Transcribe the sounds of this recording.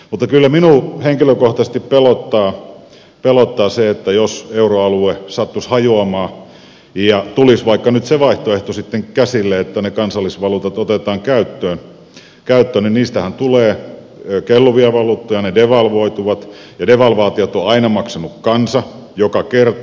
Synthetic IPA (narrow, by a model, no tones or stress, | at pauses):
mut̪ːɑkylːæminuˑheŋkiløkoht̪ɑse̥st̪ippelot̪ːɑː | pelot̪ːɑːseet̪ːæjoseuroɑluesɑt̪ːushɑjuɑmɑː | jɑt̪ulisʋɑikːɑnyt̪seʋɑiht̪oeht̪osit̪ːeŋkæsilːeet̪ːænekɑnsɑlːisʋɑluːt̪ɑt̪ot̪et̪ɑːŋkæyt̪ːøːn | kæyt̪ːøːninniːst̪æhænt̪uleː | kelːuʋiɑʋɑluːt̪ːojɑnedeʋɑlʋoit̪uʋɑt̪ | jɑdeʋɑlʋɑːt̪iot̪oɑinɑmɑksɑnukkɑnsɑ | jokɑkert̪